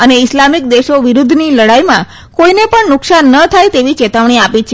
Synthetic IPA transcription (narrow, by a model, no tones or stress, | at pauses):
əneɪslamik̚d̪eʃoʋiɾud̪ʱniləɽajmã | koinepəɳnʊksanːət̪ʰajt̪eʋit͡ʃet̪aʋɳ̃iapit͡ʃʰe